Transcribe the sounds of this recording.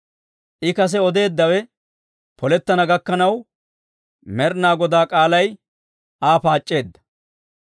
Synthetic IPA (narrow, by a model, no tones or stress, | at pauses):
ʔɪkɐs̬ɛɔd̪e̞ːd̪ːɐwɛ | pɔlɛt̪ːɐnɐɡɐkːɐnɐw | mɛɾnaːɡɔd̪aːkʼaːlɐj | ʔaːpaːt͡ʃʼːe̞ːd̪ːɐ̥